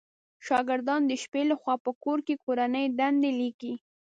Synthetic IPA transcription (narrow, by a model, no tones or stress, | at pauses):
ʃɑɡɪɾd̪ɑnd̪əʃpelaxwɑpəkoɾkekoɾanəjɖ̪and̪eliki